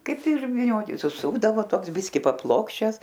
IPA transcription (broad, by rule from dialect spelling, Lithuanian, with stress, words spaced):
ˈkɐɪp ɪr ʋʲiːˈnʲoːtʲɪ sʊˈsʊɡdɐʋoː ˈtoːks ˈbʲɪsʲkʲɪ pɐˈplˠoːkʃʲt͡ʃʲɛs